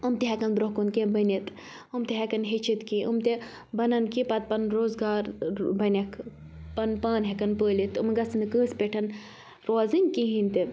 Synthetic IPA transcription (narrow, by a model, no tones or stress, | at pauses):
umt̪iɦɛkɐnbɾoɦkunkẽbɐnʲit̪ | umt̪iɦekɐnɦet͡ʃʰit̪kiʔumt̪e | bɐnɐnkipɐt̪̚pɐnɾoːzɡaːɾbɐnʲɐkʰ | pɐnpaːnɦekɐnpəːlit̪umɡɐsɨnɨkəːspeʈʰɐn | ɾoːzɨŋkiɦĩnt̪i